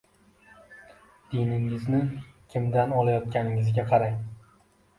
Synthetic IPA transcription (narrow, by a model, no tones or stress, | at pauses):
d̪̥ɪnɪŋɪznɪkʲʰɪmd̪anɒlˠajɒt̪̚kʲanɪŋɪzɡʲaqʰɑɾaj